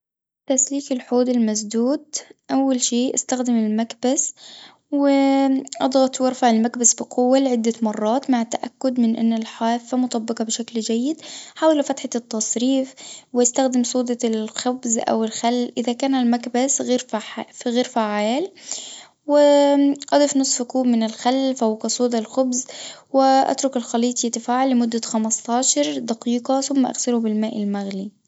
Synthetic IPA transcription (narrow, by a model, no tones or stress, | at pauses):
t̪asliːkɪlħuːd̪ɪlmas̬d̪uːd̪̚ʔawːalʃiːʔast̪axd̪ɪmɪlmakbas | wɪʔɑ̰d̪ˤɣɑt̪ˤwɑɾˤfaʕɪlmakbasbiqʊwːalɪʕɪd̪ːamɑrˤːɑːt̪maʕɪt̪ːaʔakːʊd̪mɪnʔɪ̰nːalħaːfːamʊt̪ˤɑbːɨqɑbɪʃakld͡ʒajːɪd̪ħaːwalafat̪ħat̪ːɑsˤɾiːfwʔɪst̪axd̪ɪmsˤuːd̪ɑlxʊbzʔa̰wɪlxalːʔɪðakaːnalmakbasɣiːɾfħɣiːɾfaʕaːl | wɪʔɑd̪ˤifnʊsˤfkuːbmɪnɪlxalːfawqɑsˤuːd̪ˤlxʊbzwɪʔa̰t̪ɾʊkɪlxɑliːt̪ˤjt̪ɪfaːʕalːɪmʊd̪ːaxamɑst̪ˤɑːʃɑɾˤd̪ɑqiːqɑθʊmːaʔa̰ɣsɪlubɪlmaːʔɪlmaɣli